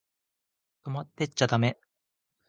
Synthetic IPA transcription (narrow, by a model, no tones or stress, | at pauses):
t̪omat̪ːet͡ɕːat̪ame̞